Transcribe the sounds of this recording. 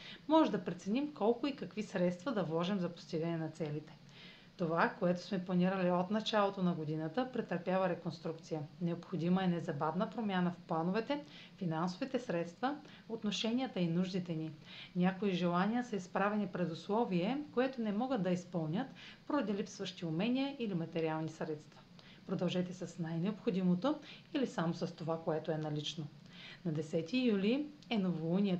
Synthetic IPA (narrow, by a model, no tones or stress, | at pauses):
mɔʒɛd̪ɐpɾɛt̪sɛnʲimkɔlˠkʊikɐkvisɾɛt̪st̪vɐd̪ɐvlˠɔʒimzɐpo̥st̪iɡənɛnɐt̪sɛlit̪ɛ̥ | t̪ovakoɛt̪o̥smɛplˠɐniɾəliot̪nɐt͡ʃalˠot̪onɐɡod̪inət̪əpɾɛt̪əɾpjavəɾɛkonst̪ɾuk̚t̪sijənɛopxod̪iməɛnɛzɐbavnəpɾomʲjanəfplˠanovɛt̪ɛ | finansovit̪ɛsɾɛt̪st̪və | ot̪noʃɛnʲiət̪əinuʒd̪it̪ɛninʲakoiʒɛlˠanijəsɐispɾavɛnipɾɛd̪ʊslˠɔviɛkoɛt̪onɛmɔɡəd̪̚d̪ɐispɤlˠnʲət̪poɾɐd̪ilipsvəʃt̪iʊmɛniəʔilimɐt̪ɛɾialˠnisɾɛt̪st̪vɐ̥ | pɾod̪ɐlˠʒɛt̪ɛsɐsnajnɛopxod̪imot̪oilisamosɐst̪ovakoɛt̪oɛnɐlit͡ʃno | nɐd̪ɛsɛt̪ijuliɛnovounʲiə